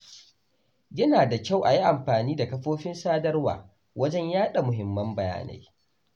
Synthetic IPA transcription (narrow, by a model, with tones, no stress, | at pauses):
jɐ˦naː˨da˨kʲa˦˨wʔa˨ji˦ʔa˨mɸaː˨niː˦da˨kɐ˦ɸoː˦ɸɪ˦nsaː˦dɐ˦rwa̰ː˨ | wɐ˦d͡ʒɛ˦ɲjaː˦ɗa˨mʊ˨ɦɪ˨mːɐ˦mbɐ˨ja̰ː˦na̰˨j